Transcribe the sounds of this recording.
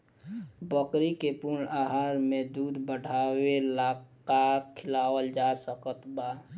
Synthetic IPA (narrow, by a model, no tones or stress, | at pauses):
bəkɾikepuɾɳaɦaɾmed̪ud̪bəɽ̤ʱawelak | akʰɪlawəld͡ʒasəkət̪ba